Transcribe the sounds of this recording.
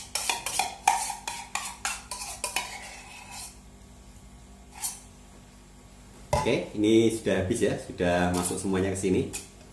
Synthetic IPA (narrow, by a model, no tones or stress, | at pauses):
okeinisuɖ̥ahɦab̥ɪsjasuɖ̥ahmasʊksəmuaɲakəsini